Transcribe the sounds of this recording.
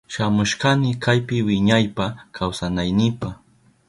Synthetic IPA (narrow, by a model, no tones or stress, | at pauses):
ʃamʊʃkanɪkajpɪwɪɲajpakʰawsanajnɪpa